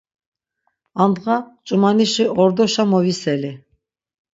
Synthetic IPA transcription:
and̪ʁat͡ʃʼumaniʃiʔɔɾd̪ɔʃamɔvisɛli

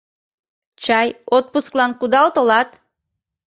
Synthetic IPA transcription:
t͡ɕɑjot̪̚pusklˠɑnkud̪ɑlˠt̪olˠɑt̪

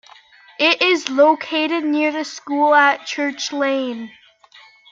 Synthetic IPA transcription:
ʔɪɾʔɪzloʊkʰeɪɾɨdⁿnɪɹðɨskulˠət̚t͡ʃʰɜ˞t͡ʃlẽɪ̃n

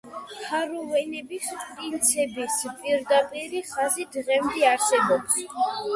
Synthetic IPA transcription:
hʰaɾɔvɛnɛbispʼɾint̪sʰɛbispʼiɾd̪apʼiɾiχazid̪ʁɛmd̪ɛaɾsɛbɔps

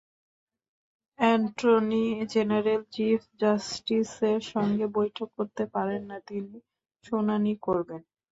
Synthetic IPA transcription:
ɛɳʈɾonid͡ʑenaɾelt͡ɕifd͡ʑasʈiseɾʃɔŋɡebojʈʰokːoɾt̪epaɾenːat̪ini | ʃonanikoɾben

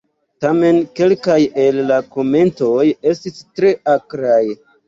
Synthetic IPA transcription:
tame̞nke̞lkaje̞lːako̞me̞nto̞je̞stistɾe̞ʔakɾaj

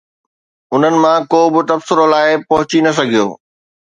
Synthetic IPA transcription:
ʊn̤ənɪ̆mãkoːbɪ̆t̪ɐbsɪɾolaːɪpɐɦʊt͡ɕinɐs̬ɐɡʱijo̰ː

